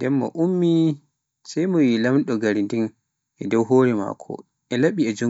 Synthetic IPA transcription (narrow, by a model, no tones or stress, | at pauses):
ndɛmːɔ̰ʔumːi | sajmɔwilamɗɔɡaɾindin | ʔɛdɔwɦoːɾɛma̰kʰɔ̰ | ʔɛlaɓiɛd͡ʒu